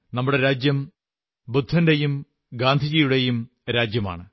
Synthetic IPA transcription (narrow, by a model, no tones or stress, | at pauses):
nɐmːuɽe̞ɾaːd͡ʑjɐm | bud̪ʱːɐndejum | ɡaːnd̪ʱid͡ʑijuɽejum | ɾaːd͡ʑjɐma̰ːɳɨ